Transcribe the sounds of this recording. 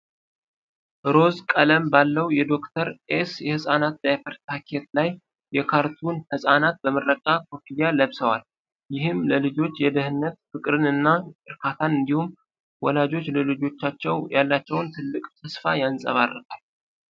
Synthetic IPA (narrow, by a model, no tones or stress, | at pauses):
ɾo̞zkʼələmbalːəwjɛd̪o̞kt̪ʰəɾʔesjɛhɨsʼanat̪̚d̪ajfəɾt̪t̪ʰakʰet̪̚laj | jɛkʰaɾt̪ʰunhɨsʼanat̪̚bəmɨrːəkʼːakʰofiljaləβsəwal | jɪhɨmləlɨd͡ʒo̞t͡ʃːjɛd̪əhɨnːət̪fɨkʼɾɨnɨnːaɨɾkʰat̪ʰanɨnd̪ihum | wɔlad͡ʒo̞t͡ʃːləlɨd͡ʒo̞t͡ʃːat͡ʃːɛwjalːat͡ʃːɛwnt̪ʰɨlːɨkʼt̪ʰəsfajansʼə̰βarːək̪ʼal